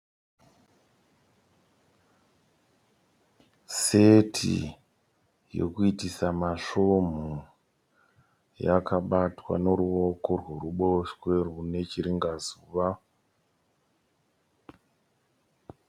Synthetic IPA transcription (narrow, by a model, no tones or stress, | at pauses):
setʰḭ | jo̞̰kuitisamaʂo̞m̤u | jakʰaɓatwa̰no̞ɾuʋo̞korworuɓoʃwe̞rwune̞t͡ʃiɾiŋɡazuːʋa